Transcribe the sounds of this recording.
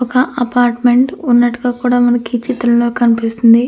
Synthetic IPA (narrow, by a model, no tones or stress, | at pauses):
ɔkɐʔɐpaːɾʈme̞ɳʈunːɐʈːuɡaːkuːɽaːmɐnɐkit͡ʃit̪ːɐlɐloːkɐnipist̪und̪i